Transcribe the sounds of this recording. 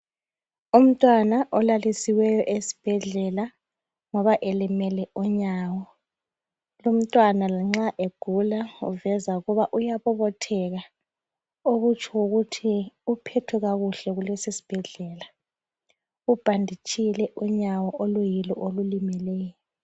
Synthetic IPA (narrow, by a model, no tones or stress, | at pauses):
um̩tʼwanaʔɔlalisiwɛjɔʔesi̥b̥ʱɛɮɛla | ŋɔβaʔelimɛlɛɔɲawɔ | lum̩tʼwanalaŋ͡ǁaʔeɡ̥ʱulaṵvɛzauɣɔβaʔujaβɔβɔtʰɛɣa | oɣut͡ʃʰʼɔwoɣutʰiupʰɛtʰuɣaɣuɬɛɣulesisi̥b̥ʱɛɮɛːla | ub̥ʱandʱit͡ʃʼilɛʔuɲawɔʔolujilɔ̰ʔolulimɛlɛːjɔ